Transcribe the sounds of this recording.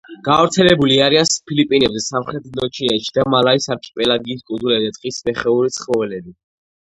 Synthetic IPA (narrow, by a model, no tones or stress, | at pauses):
ɡ̥avɾt̪sʰɛlɛbuliaɾianspʰilipʼinɛbzɛsamχɾɛt̪ʰlɔt͡ʃʰiaʃid̪amalaisaɾkʼi̥pʼɛlaɡiːskʼuulɛbzɛt̪ʼqʼismɛχɛuɾit̪sʰχmɔvɛlɛbi